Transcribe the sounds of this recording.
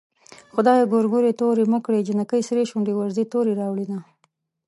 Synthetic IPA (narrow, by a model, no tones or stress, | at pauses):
xʊd̪ɑjeɡoɾɡoɾet̪oɾeməkɽed͡ʒɪnakəjsɾeʃuɳɖewaɾzit̪oɾiɾɑwɽina